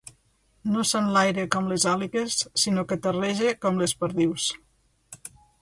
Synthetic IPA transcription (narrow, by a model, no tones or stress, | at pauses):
nosanlajɾəkɔmlezaliɣesːinokət̪əreʒekɔmlespəɾðiws